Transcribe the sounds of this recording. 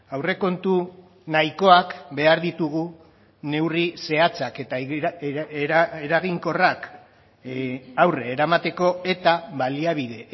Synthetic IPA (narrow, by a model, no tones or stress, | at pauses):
awre̞ko̞nt̪u | naiko̞akbe̞aɾðit̪uɣ̞u | ne̞wrise̞at͡saket̪a | eeɾaɣiŋko̞rak | awreːɾamat̪e̞ko̞e̞t̪aβaliaβið̞e̞